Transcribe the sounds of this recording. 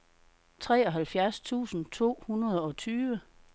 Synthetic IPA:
t͡sʰʁɛ̰ːɒ̽ɦælfjæɐst͡sʰṵːsn̩t͡sʰo̝̰ːhunɐð̞ˠɒ̽t͡sʰyːʋə

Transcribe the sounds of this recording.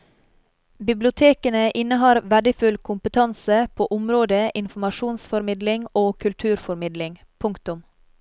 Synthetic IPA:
bɪblɪʊt̪ʰeːkənəʔɪnəɦɑːɾʋæɖɪfʉlkʰʊmpət̪ʰɑnsəpʰoːʔʊmɾoːd̪əʔɪnfɔmɑʃuːnsfɔɾmɪd̪lɪŋoːkʰʉlt̪ʰʉːɾfɔɾmɪd̪lɪŋ | pʰʊŋkt̪ʊm

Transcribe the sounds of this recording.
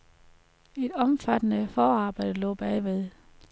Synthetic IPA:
e̝d̥ɒ̽mfæd̥ənəfɒːɑ̈ːb̥ɑ̈ɪ̰d̥əlɔ̰ːb̥ɛɪʋe̝ðˠ

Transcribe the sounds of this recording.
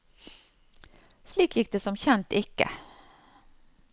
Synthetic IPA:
sliːkjɪk̚d̪ɛsɔmɕɛnt̪ɪkːə̰

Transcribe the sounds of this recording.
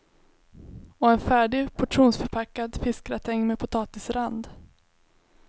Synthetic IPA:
ɔɛnfæːɖɪɡpʰɔʈʂuːnsfœɾpʰakːad̪fɪskɾat̪ʰɛŋːmepʰʊt̪ʰɑːt̪ɪsɾand̪

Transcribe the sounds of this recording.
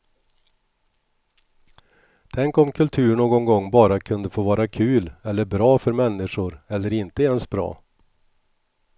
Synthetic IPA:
t̪ʰɛŋkɔmkʰɵlt̪ʰʉ̟ːɳoːɡɔŋɡɔŋːbɑːɾakʰɵnd̪əfoːvɑːɾakʰʉ̟ːlɛlːəɾbɾɑːfœɾmɛnːɪʂʊɾɛlːəɾɪnt̪əeːnsbɾɑ̰ː

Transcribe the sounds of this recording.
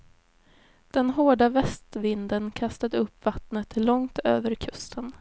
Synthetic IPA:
d̪̥ɛnɦoːɖavɛst̪vɪnd̪ənkʰast̪ad̪əɵpːvat̪nət̪lɔŋt̪ø̰ːvəɾkʰɵst̪ʰən

